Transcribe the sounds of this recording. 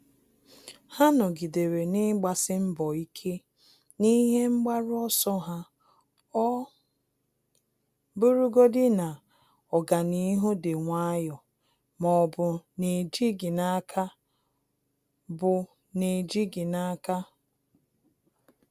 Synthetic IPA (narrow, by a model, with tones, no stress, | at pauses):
ha˦nɔ˨ɡi˨de˨ɾe˨nɪ˦ɡ͡ba˨sɪ˦m̩˦bɔ˨i˦kʰe˦ | ni˦ɦe˦ŋ͡m̩˦ɡ͡ba˦ɾʊ˦ɔ˦sɔ˦ɦa˦ | ɔ˦ | bu˦ɾu˦ɡo˦dɪ˦na˨ | ɔ˨ɡa˨ni˦ɦu˦de˨ŋʷa˦jɔ˨ | mɔ˨bʊ˨ne˨d͡ʒi˦ɡɪ˨na˦kʰa˦ | bʊ˨ | ne˨d͡ʒi˦ɡɪ˨na˦ka˦